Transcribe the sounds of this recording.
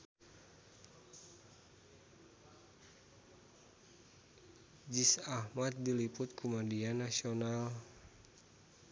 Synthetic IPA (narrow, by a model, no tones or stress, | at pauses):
d͡ʒisahmat̪̚dilipʊt̪̚kumadianasional